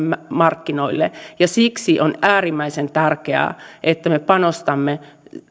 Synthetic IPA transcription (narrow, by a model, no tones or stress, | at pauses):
mɑrkːinoilːḛjɑsiksiʔonæːrimːæisent̪ærkeæ̰ˑʔet̪ːæmepɑnost̪ɑmːe